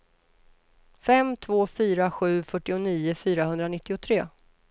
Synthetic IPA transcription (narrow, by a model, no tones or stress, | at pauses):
fɛmt̪ʰvoːfyːɾaɧʉ̟ːfœʈːɪʊniːʊfyːɾaɦɵnd̪ɾanɪt̪ːɪʊt̪ʰɾeː